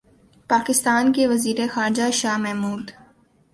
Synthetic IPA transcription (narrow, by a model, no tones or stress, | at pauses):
paːkɪst̪aːnkeʋɐziːɾexaːɾd͡ʒaʃaːɦmɛɦmuːd̪